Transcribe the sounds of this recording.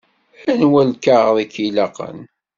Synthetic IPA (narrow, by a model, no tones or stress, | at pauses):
ænwælkaʁðˤikilɑqə̰n